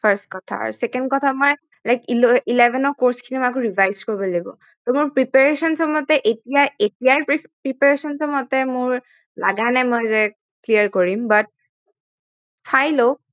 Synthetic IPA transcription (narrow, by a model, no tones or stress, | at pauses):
pʰɛɹstkɔtʰa̰sɛkɛndkɔtʰamɔj | lajkiilebʱɛnɔkɔɹskʰinimɔak̬ʊɹibʱajzkoɹibɔlebɔ̰ | tɔmʊɹpɹipaɹesɔnsɔmɔtɛʔetijaetijaɹpɹipaɹesɔnsɔmɔtɛmʊɹ | la̰ɡanɛmɔjzɛ | kliaɹkoɹimbat̚ | sʰajlo